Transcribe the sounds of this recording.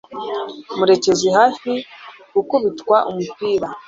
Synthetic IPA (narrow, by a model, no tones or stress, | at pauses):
muɾe̞ce̞ziɦaːfi | ɡukuβitkwaʔumupiːɾa